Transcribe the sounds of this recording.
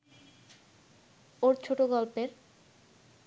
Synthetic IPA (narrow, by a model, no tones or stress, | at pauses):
oɾt͡ɕʰoʈoɡɔlpeɾ